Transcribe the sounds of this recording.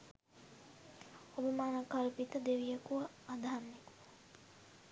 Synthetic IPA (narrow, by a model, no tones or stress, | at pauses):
obimaːnɐkɐlpit̪əd̪eʋijəkuɐ | ad̪ʱanːekuɐ